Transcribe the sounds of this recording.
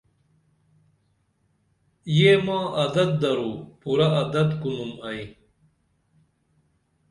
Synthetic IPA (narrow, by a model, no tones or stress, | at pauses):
jeːmãːʔɐd̪ɐt̪̚d̪ɐɾuːpuɾɐɐd̪ɐt̪kunumɐj